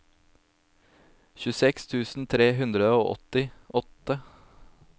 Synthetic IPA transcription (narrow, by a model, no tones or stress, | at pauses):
çʉsɛkst̪ʰʉːsn̩t̪ʰɾeːɦʉnd̪ɾəoːʔɔ̰t̪ɪʔɔt̪ə